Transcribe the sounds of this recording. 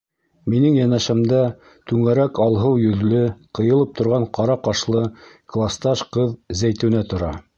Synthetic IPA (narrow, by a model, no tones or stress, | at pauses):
minɘŋjænæʃæmd̪æ | t̪ʉŋæɾækɑlˠɦɤwjɵ̆ðlɘqɤ̆jɤ̆lˠɤp̚t̪ʰŏɾʁɑɴqɑɾɑqɑʃlˠɤklˠast̪ɑʃqɤðzæjt̪ɘ̆wnæt̪ŏɾɑ